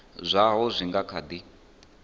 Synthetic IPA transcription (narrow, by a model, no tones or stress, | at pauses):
zʷaɦɔzʷiŋɡakʰad̪i